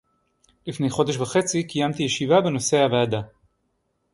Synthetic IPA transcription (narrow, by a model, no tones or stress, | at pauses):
lifne̞jχo̞d̪eʃ̬vaχe̞t͡sikijamt̪ijeʃivabeno̞se̞haveːd̪a